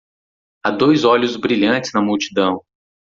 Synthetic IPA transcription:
ad̪ojzɔʎʊzbɾiʎɐ̃nt͡ʃɪznɐmuwt͡ʃi̥d̪ɐ̃w̃

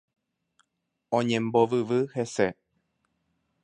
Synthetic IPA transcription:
õɲẽ̞mboʋɨʋɨhe̞se

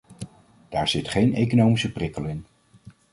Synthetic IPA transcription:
d̥aːɹz̥ɪtχejnḛjkonowmisəprɪkəlˠɪn

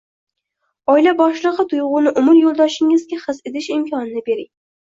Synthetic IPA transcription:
ɒjlabɒʃlˠɨʁɨt̪ʰʊjʁʊnɪʔʊmʊɾjolˠd̪ɒʃɪŋɪzɡʲaχɨzed̪ɪʃɪmkʰʲɒnɪnɪbe̞ɾɪŋ

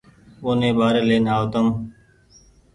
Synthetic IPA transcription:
oːnẽːbaːɾeːleːnaːot̪əm

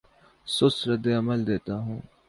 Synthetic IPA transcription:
sʊsɾɐd̪eɐməld̪eːt̪aɦũː

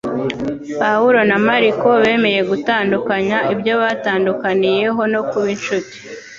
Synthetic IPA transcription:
pawuɾo̞namaɾiko̞βe̞ːme̞je̞ɡutaːndukaɲaibɟo̞βaːtaːndukanije̞ɦo̞no̞kuβinʃuti̥

